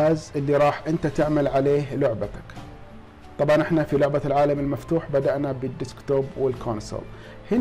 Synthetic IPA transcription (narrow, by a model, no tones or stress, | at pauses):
aːzʔɪlːiɾˤɑːħʔɪnt̪at̪ɪʕmalʕaleːɦlʊʕbat̪ḁk | t̪ˤɑbʕɑnʔɪħnafilʊʕbalʕaːlamɪlmaft̪uːħbad̪aʔnabəd̪ːɪskt̪oːbwɪlkʰoːnsə̰l | hɪ